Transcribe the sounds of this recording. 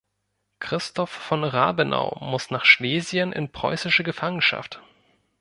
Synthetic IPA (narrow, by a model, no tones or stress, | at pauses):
kʁ̥ɪstʰɔfːɔnʁa̰ːbənʔa̰ʊmʊsnaːχʃleːzjənʔɪ̰npʁ̥ɔ̰ʏsɪʃəɡəfaŋənʃa̰ft